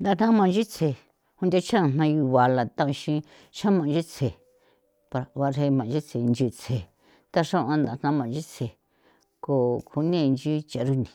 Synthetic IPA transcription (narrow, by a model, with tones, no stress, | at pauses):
nd̪a˧n̥ã˦mã˧˨˧d͡ʒi˦t͡sʰe˧˨ | hũ˧nd̪ʲa˦t͡ʃã˦˧˨n̥ã˧ju˧βa˧la˨t̪a˦˧ʃĩ˧ | ʃã˦mã˨˧d͡ʒi˦t͡sʰe˨ | pa˧ɾa˨βa˧ɦe˧mã˨˧d͡ʒi˦t͡sʰe˨˧nd͡ʒi˧t͡sʰe˨ | t̪a˦ʂã˦ʔã˧nd̪a˨˧n̥ã˦mã˨˧d͡ʒi˦t͡sʰe˨ | ko˨kʰu˧nĩ˦˧nd͡ʒi˦t͡ʃa˨˦ɾu˦nĩ˨